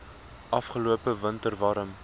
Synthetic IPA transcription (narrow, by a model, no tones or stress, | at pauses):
ʔɐfχəluəpəvəntərvɑɾəm